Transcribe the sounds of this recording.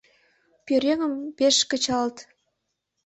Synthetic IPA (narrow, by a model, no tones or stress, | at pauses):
pʲøɾʲeŋə̆mpeʃkə̆t͡ɕɑlt̪